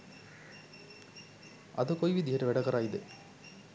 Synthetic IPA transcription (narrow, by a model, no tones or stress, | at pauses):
ɐ̰ðɨkojʋid̪ʱijɐɾɨʋeɽɐɣɐraːjiðɨ